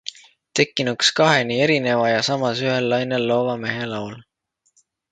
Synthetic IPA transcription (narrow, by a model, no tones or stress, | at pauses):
t̪e̞kːˑinukskɑɦe̞nie̞ɾine̞vɑjɑsɑmɑsyɦe̞lːɑjne̞lːo̞ːvɑme̞ɦe̞lɑwl